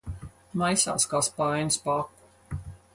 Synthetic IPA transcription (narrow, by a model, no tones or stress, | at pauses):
majsa̰ːskaːspajnspakːu̥